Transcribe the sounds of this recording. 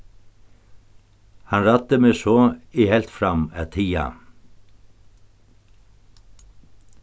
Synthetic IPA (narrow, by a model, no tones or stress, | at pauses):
hɑnɾɑt̪ːəmesɔːihɛlt̪fɾɑmæt̪ʰiːa̰